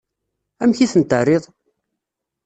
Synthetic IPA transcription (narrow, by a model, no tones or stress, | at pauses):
æmçiθənt̪ərːɪðˤ